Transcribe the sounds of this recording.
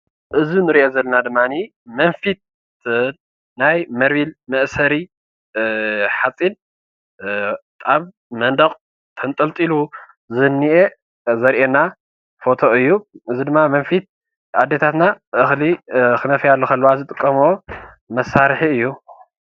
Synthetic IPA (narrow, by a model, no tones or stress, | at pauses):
ʔɨzinɨɾiʔezɐlːɐnad̪ɨmːani | mɐnfit̪̚ | najmɐɾβilmɐʔsɐɾi | ħat͡sʼin | t̪ʼaβ | mɐnd̪ɐqʼ | t̪ʰɐnt̪ʼɐlt̪ʼilu | zɨnːiʔe | zɐɾʔena | fo̞t̪ʰo̞ɨjːuʔɨzid̪ɨmːamɐnfit̪̚ | ad̪ːet̪ʰat̪naʔɨxlikɨnɐfjalːokʰɐlːuwazɨt̪ʼɨkʼːɐmo | mɐsːaɾħiɨjːu